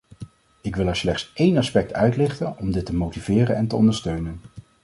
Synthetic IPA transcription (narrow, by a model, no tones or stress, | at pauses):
ɪkʋɪlˠɛɹslɛχtsejnɑspɛk̚tʰœɥtlɪχtənɔmdɪtəmowtivɪːrənɛntəɔ̰ndəɹstøɥnən